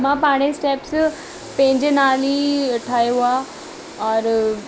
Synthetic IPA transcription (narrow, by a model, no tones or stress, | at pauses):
m̤ãpaɽ̃esʈeps | pẽɦɪ̃ɲd͡ʑenaːliʈʰajua | ɔɾ